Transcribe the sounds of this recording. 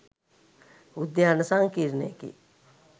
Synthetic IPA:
ud̪janəsaŋkiɾnekḭ

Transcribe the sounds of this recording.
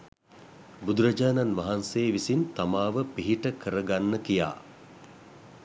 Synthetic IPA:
bud̪uɾɐd͡ʒaːnanʋaɦanseːʋisint̪amaːʋəpiɦiʈəkəɾəɡanːəkija̰ː

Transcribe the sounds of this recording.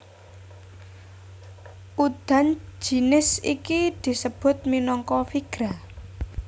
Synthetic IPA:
ʔud̪̥a̤nd͡ʒ̥i̤nɪsikid̪̥i̤səb̥ʊ̤t̪̚minɔŋkɔfiɡ̥ɾa

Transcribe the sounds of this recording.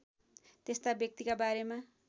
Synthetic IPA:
t̪est̪abjʌk̚t̪ikabaɾema

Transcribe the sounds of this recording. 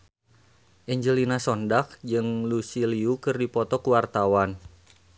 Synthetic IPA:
ʔɛɲd͡ʒəlinasɔndak̚d͡ʒɨŋlusiliukɨrdipɔt̪ɔkuwart̪awan

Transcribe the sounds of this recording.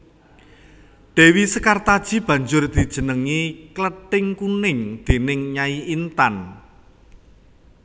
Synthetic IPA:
ɖ̪̥e̤wisəkart̪ad̥ʒ̥i̤b̥ä̤ɲd͡ʒʊrd̪̥i̤d̥ʒ̥ə̤nəŋikləʈɪŋkunɪŋd̪̥e̤nɪŋɲaiint̪an

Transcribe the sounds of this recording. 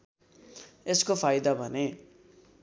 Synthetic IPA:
eskopʰajd̪abʱʌne

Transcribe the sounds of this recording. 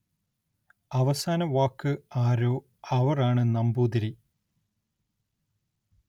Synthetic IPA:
ɐʋɐsaːnɐʋaːkːɨaːɾoː | ɐʋɐraːɳɨnɐmbuːd̪ɐɾi

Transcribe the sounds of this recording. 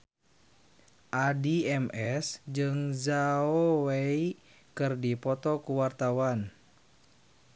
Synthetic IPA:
ʔadiɛmɛsd͡ʒɨŋzaowei | kɨrdipɔt̪ɔkuwart̪awan

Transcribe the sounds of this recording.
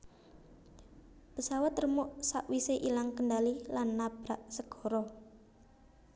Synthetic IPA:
pəsawat̪rəmʊʔsaʔwiseʔilaŋkəɳɖalilanːab̥ɾaʔsəɡ̥ɔ̤ɾɔ

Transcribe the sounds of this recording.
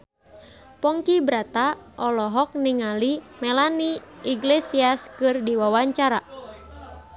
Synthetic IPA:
pɔŋkibɾat̪aʔɔlɔɦɔk̚niŋalimɛlaniiɡlesiaskɨrdiwawaɲt͡ʃaɾa

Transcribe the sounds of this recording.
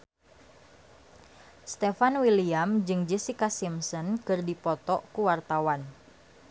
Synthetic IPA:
st̪efanwiliamd͡ʒɨŋd͡ʒisikasimsɔnkɨrdipɔt̪ɔkuwart̪awan

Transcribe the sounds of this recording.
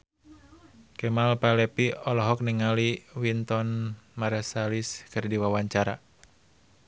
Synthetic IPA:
kɛmalpalɛpiɔlɔɦɔk̚niŋaliwint̪ɔnmaɾɛsaliskɨrdiwawaɲt͡ʃaɾa̰

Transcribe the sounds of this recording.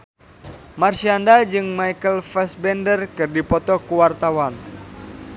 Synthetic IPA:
marsiandad͡ʒɨŋmajkəlfɛsbɛndərkɨrdipɔt̪ɔkuwart̪awan

